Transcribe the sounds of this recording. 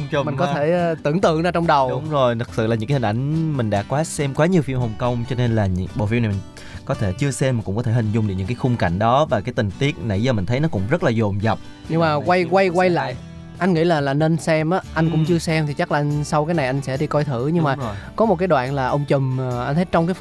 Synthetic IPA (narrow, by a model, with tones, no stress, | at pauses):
mï˨˩ŋkɔ˨˦t̪ʰe˧˩˧t̪ɨ̰˧˩əŋt̪ɨ̰˧˨əŋzaː˧t͡ɕɔ˧wŋ͡mɗə˨˩wɗʊ˨˦ŋ͡mzo˨˩jt̪ʰɨ˨˩k̚sɨ̰˧˨laː˨˩ɨ̰˧˥aː˦hi˨˩ʔa˧˩jŋ̟mï̟˨˩ɗa̰ː˧˩kːwaː˨˦sɛ˧mkwaː˨˦ɲi˨˩əwfi˧əmhə˨˩wŋ͡mkə˧wŋ͡mt͡ɕɔ˧ne˧nlaː˨˩ɲɨ̰˧˥ŋɓo̰˨˩fi˧na˨˩mi˨˩ŋ | kɔ˨˦t̪ʰe˧˩t͡ɕɨ˧əsɛ˧mi˨˩kʊ̰˧˥ŋ͡mkɔ˨˦t̪ʰe˧˩hï˨˩ŋ̟zʊ˧ŋ͡mɗk̚ɲɨ̰˧˥ŋkːaː˨˦xʊ˧ŋ͡mka̰˧˨jŋ̟ɗɔ˨˦vaː˨˩kaː˨˦jt̪ï˨˩ŋ̟t̪i˦˥ək̚na̰˧˩jzɔ˧˩mï˨˩ŋ̟t̪ʰjnɔ˨˦kʊ̰˧˥ŋ͡mzə˦˥t̚laː˨˩zo˨˩mzə˨˩wk͡p̚ | ɲɨ˧maː˨˩kwa˧jkwa˧jkwa˧jla̰ː˧˨j | ʔa˧jŋ̟ŋḭ˧˥laː˨˩laː˨˩ne˧nsɛ˧mʔaː˨˦ʔa˧jŋ̟kʊ̰˧˥ŋ͡mt͡ɕɨ˧əsɛ˧mt̪ʰi˨˩t͡ɕa˦˥laː˨˩a˧ŋsa˧wkaː˨˦jna˨˩jʔa˧jŋ̟sɛ̰˧˥ɗi˧kɔ˧jt̪ʰɨ̰˧˩˨ɲɨ˧ŋmaː˨˩kɔ˨˦mo˨˩kaː˨˦jɗwa̰ː˧˨nlaː˨˩ʔə˧wŋ͡mt͡ɕɨ˨˩m˩ʔa˧ŋ̟t̪ʰə˨˦jt͡ɕɔ˧wŋ͡mkaː˨˦